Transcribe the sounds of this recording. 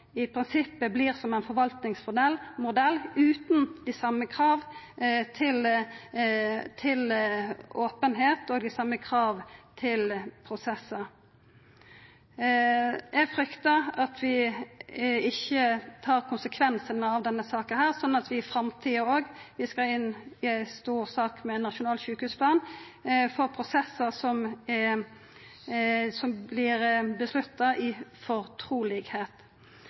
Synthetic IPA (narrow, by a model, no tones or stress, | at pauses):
ɪpʰɾɪnsɪpːəbliːʁsɔmɛɪnfɔɾʋɑlt̪nɪŋsmʊd̪ɛlːmʊd̪ɛlːʉːt̪n̩d̪ɪsɑmːəkʰɾɑːʋ | t̪ʰɪl | t̪ʰɪlʔoːpənɦeːt̪oːɡ̪ɪsɑmːəkʰɾɑːʋt̪ʰɪlpʰɾʊsɛsːə | jɛɡfɾʏkt̪əɑt̪ʰʋɪ | ɪçːət̪ʰɑːʁkʰʊnsəkʰʋɛnsənəɑʋd̪ɛnːəsɑːkənhæːʁsɔnːnɑt̪ʰʋɪfɾɑmt̪ʰiːəoːɡʋɪskɑɪnːɪst̪uːʁsɑːkmɛɛnːɑʃʊnɑːlçʉːkhʉːspʰlɑːnfɔʁpʰɾʊsɛsːəʁsɔm | sɔmblɪɾbəslʉt̪ːɑʔɪfɔɾt̪ʰɾuːlɪɡheːt̪